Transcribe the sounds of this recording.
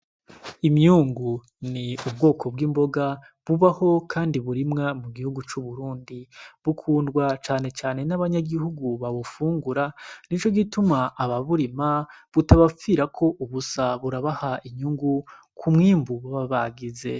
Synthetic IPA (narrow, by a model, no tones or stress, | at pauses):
imɲuːŋɡu | niubɡo̞ːkʰo̞bɡiːmbo̞ɡa | βuβaho̞kʰaːndiβuɾimŋamuɡihuɡut͡ʃuβuɾuːndiβukʰuːndɡwat͡ʃaːne̞t͡ʃaːne̞naβaɲaɡihuɡuβaβufuːŋɡuɾanit͡ʃo̞ɡitumaʔːβaβuɾimaβutaβafiɾakʰo̞ʔuβusaβuɾaβahaʔimɲuːŋɡu | kʰumŋiːmbuβaβaβaɡize̞̰